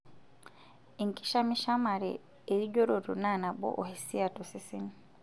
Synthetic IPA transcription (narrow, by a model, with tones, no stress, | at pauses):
i˨ŋki̥˦ʃa˦mi˦ʃa˦ma˨ɾḛː˨ | ɾi˦ɟo˦ɾo˨ɾu˨na˦˨na˨bɔ̰˦ʔo˨hi˨si˦a˨tu˨si˦si˦n